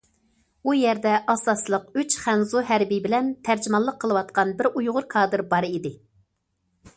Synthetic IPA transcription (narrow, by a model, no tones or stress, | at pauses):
ujɛɾd̪ɛʔɑsɑslˠəqyt͡ʃχænzuɦæɾbibɪlɛnt̪ʰæɾd͡ʒɪmɑlˠːəqʰːəlˠɨwɑt̪̚qɑnbɪɾujʁʊɾkʰɑːd̪ɨɾbɑɾid̪ɪ